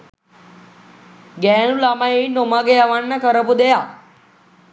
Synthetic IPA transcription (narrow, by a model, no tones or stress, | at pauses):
ɡɛnulamainomaɡejaʋanːakəɾəpud̪eja